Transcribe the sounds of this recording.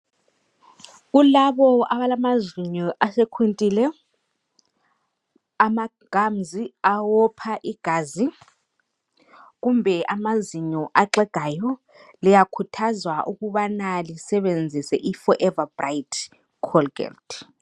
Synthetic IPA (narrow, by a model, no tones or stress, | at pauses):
k̬ulaɓɔaɓalamaziɲɔʔasɛkʰwintʼilɛ | ama | ɡ̥ʱamziawɔpʰaʔiɡ̥ʱaːzi | k̬umbʱɛʔamaziɲɔʔaǁɛɡ̥ʱajɔ | lɛjakʰutʰazwaʔukuɓanalisɛɓend͡zʱisɛʔifɔʔɛvabraitʰ | kʰɔlɡ̥ɛ̰lt